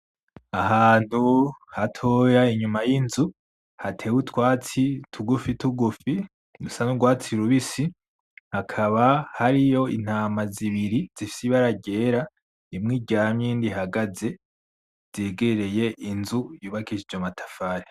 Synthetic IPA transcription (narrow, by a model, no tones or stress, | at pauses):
ahaːn̥huhatʰojaiɲumajinzu | hatʰe̞wutwaːt͡sitʰuɡufituɡufi | usanuɡwaːt͡siɾuβisi | hakʰaβahaɾijo̞ḭn̥haːmaziβiɾiz̥ifi̥siβaɾaɟe̞ːɾa | imŋiːɟaamɲiːndiɦaɡaze̞ | z̥eːɡeɾe̞je̞ʔinzujuːβakid͡ʒid͡ʒomatʰḁfaːɾe